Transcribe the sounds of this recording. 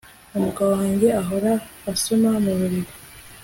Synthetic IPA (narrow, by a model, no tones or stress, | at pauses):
umukawaːɲɟe̞aɦo̞ɾaːsomamuβuɾiɾo